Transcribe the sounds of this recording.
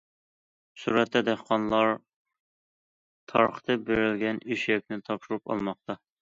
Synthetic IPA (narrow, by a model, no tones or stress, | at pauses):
suɾɛt̪ʰːɛd̪æχqɑnlˠɑɾ | t̪ʰɑɾχə̥t̪ʰɨbeɾɪlɡʲɛnyʃjɛkʲnɪt̪ʰɑpʃuɾupɑ̰lˠmɑq̚t̪ɑ